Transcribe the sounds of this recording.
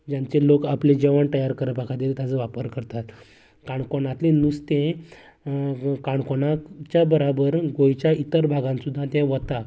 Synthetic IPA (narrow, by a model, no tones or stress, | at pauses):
d͡ʑjãɲt͡ɕelokapled͡ʑeʋəɳt̪əjaɾkəɾəpakʰad̪iɾet̪jad͡zəʋapəɾkəɾt̪at̪ | kaɳkoɳat̪lenust̪ẽ | kaɳkoɳat͡ɕjabəɾabəɾɡojt͡ɕjait̪əɾbʱaɡãnsud̪ʱːãt̪ɛ̃ʋət̪a